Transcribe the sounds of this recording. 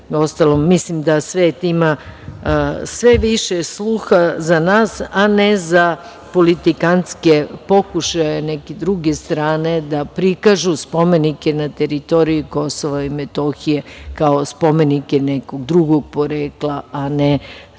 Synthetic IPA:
o̞st̪alomːislimd̪asʋeːt̪ima | sʋeʋiʃeslˠuxazanaːsaneza | po̞lit̪ikanskepo̞kuʃajenɛked̪ɾuɡest̪ɾaːne̞d̪apɾikaʒuspo̞me̞nikenat̪eɾit̪o̞ɾijuko̞soʋaimet̪o̞xije̞kaospo̞me̞nikenɛkoɡd̪ɾuɡoɡ̚po̞ɾeːklˠaane

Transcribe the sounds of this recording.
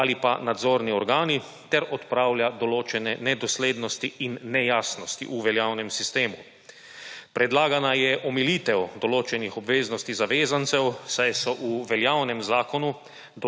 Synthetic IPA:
alipanad̪zoːɾniɔɾɡaːni | t̪ɛɾɔt̪pɾaːwljad̪ɔloːt͡ʃɛnɛnɛd̪ɔsleːd̪nɔst̪iinːɛjaːsnɔst̪ḭʔuʋɛljaːwnɛmsist̪eːmu | pɾɛd̪laːɡanajɛʔɔmiliːt̪ɛwd̪ɔloːt͡ʃɛnixɔbʋeːznɔst̪izaʋeːzant̪sɛwsajsɔʔuʋɛljaːwnɛmzaːkɔnu | d̪

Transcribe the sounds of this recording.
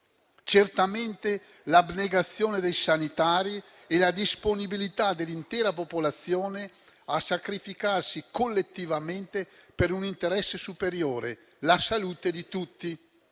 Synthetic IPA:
t͡ʃert̪ament̪e | labneɡat̪sːjoːned̪ejsanit̪aːɾi | ɛlad̪isponibilit̪ad̪elːint̪ɛːɾapopolat̪sːjoːne | asakɾifikarsikolːet̪ːivament̪epeɾunint̪eɾɛsːesupeɾjoːɾe | lasaluːt̪ed̪it̪ut̪ːi

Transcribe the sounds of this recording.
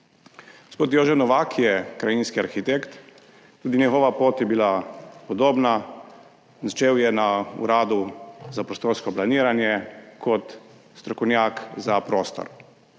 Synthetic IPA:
ɡospoːt̪joːʒɛnɔʋakʰjɛkɾajinskiaɾxit̪ekt̪ː | uːd̪injɛɣɔːʋapoːt̪jɛbilapɔd̪oːbna | nat͡ʃeːwjɛnaṵɾaːd̪uzapɾɔst̪oːɾskɔplaniːɾanjɛkʰɔt̪ | st̪ɾɔkɔwnjakzapɾoːst̪ɔ̰ɾ

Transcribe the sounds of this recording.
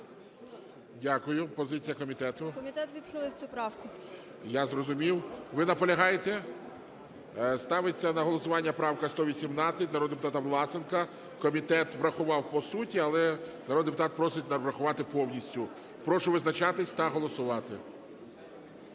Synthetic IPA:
dʲakʊjʊpɔzɪt͡sʲijɐkɔmʲit̪ɛt̪ʊkɔmʲit̪ɛt̪ʋʲid̪̥xɪlˠɪwt͡sʲupɾɑwkʊ | jazrɔzʊmʲiwʋɪnɐpɔlʲɐɦɑjet̪ɛ | st̪ɑʋɪt͡sʲːɐnɐɦɔlˠɔsʊʋɑnʲːɐpɾɑwkɐst̪ɔʋʲisʲimnɑt͡sʲːɐt̚ʲnɐɾɔd̪d̪epʊt̪ɑt̪ɐʋlˠɑsɪnkɐ | kɔmʲit̪ɛt̪ʋɾɐxʊʋɑwpɔsutʲiɐlˠɛnɐɾɔd̪d̪epʊt̪ɑt̪̚pɾɔsɪtʲnɐʋɾɐxʊʋɑt̪ɪpɔwnʲisʲtʲʊ | pɾɔʃʊʋɪznɐt͡ʃɑt̪ɪsʲt̪ɐɦɔlˠɔsʊʋɑt̪ɪ

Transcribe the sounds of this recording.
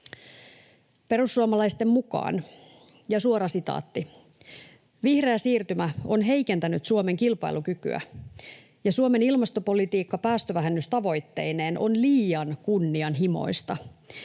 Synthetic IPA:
pe̞ɾusːuomɑlɑjst̪e̞mmukɑ̰ːn | jɑsuoɾɑsit̪ɑ̰ːt̪ːi | ʋihreæsiːrt̪ymæo̞nɦe̞jke̞nt̪ænyt̪suome̞ŋkilpɑ̰ilukyky̰æ̰ | jɑsuome̞nilmɑst̪opo̞lit̪iːkːɑpæːst̪øʋæɦenːyst̪ɑʋo̞jt̪ːe̞jne̞ːnʔonliːjɑnkunːiɑnɦimo̞̰jst̪ɑ

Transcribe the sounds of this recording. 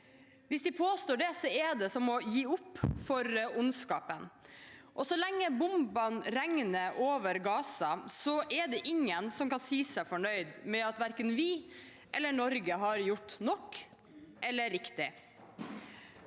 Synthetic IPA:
ʋɪsd̪ɪpʰoːst̪oːɖɛsɔɛɖɛsɔmɔjiːʊpːfɔɾʊnskɑːpənʔɔsɔlɛŋːəbʊmbɑnɾɛŋnəʔoːʋəɾɡɑːsɑsɔʔɛɖɛʔɪŋːənsɔmkɑnsiːsæɪfɔɳœʏd̪mɛɑt̪ʋæɾkənʋɪ | ʔɛlːəɳɔɾɡəɦɑɾjʊʈːnɔkː | ʔɛlːəɾɪkt̪ɪ

